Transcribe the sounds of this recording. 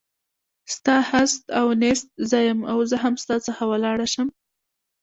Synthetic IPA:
st̪ɑhast̪awnest̪̚zɑjəmawzəɦamst̪ɑt͡səxawəlɑɽaʃəm

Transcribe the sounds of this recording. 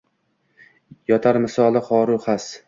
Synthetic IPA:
jɒt̪ʰaɾmɪsɒlˠɪχɒːɾʊχas

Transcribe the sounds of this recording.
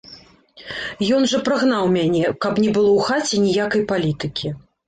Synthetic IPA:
jɔnʐɐpɾɨɣn̪awmʲanʲɛkɐpnʲɛbɨlˠɔwxat͡sʲɛnʲijakɐjpalʲit̪ɨkʲʰi

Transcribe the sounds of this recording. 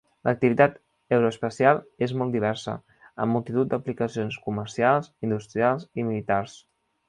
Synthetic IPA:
lʔək̚t̪iβit̪at̪ | ewɾoəspəsialˠezmɔlˠt̪d̪iβ̞ɛɾsə̰ | ə̰mːulˠt̪it̪ut̪̚d̪əplikəsionskuməɾsialˠzind̪ust̪ɾialˠzimilit̪ars

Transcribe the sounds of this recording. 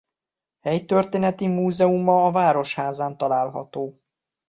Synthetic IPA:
hɛjt̪ørt̪eːnɛt̪imuːzɛumɒːvaːɾo̞ʃhaːzaːnt̪ɒlaːlɦɒ̰t̪oː

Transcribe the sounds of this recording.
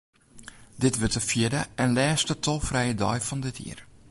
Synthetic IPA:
dɪtʋətəfjɪdəʔɛnlɛːstətʰɔlˠfrɛjədɔjfɔndɪtʰḭər

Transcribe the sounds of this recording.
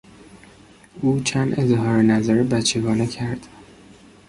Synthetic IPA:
ʔuːt͡ʃʰæːnd̪ezɦɒːɾenæzæɾebæt͡ʃʰːeɡɒːnecʰæɾd̪̥

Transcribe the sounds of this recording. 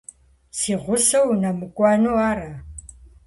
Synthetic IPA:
sɪʁʷʊsɐwnamukʷʼaːnuara

